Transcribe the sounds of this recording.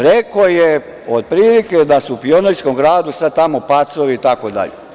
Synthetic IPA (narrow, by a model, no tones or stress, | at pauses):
ɾekoje | od̪̚pɾiːliked̪asuupioneʎʲskomɡɾaːd̪usad̪t̪amopat̪soʋiːt̪akod̪a̰ʎḛ